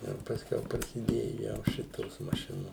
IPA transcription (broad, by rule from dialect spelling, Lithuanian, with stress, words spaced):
ɪr pɐsʲˈkʲɛʊ prɐsʲɪˈdʲeːjʊ ˈjɛʊ ˈʃʲɪtoːs mɐˈʃʲɪnoːs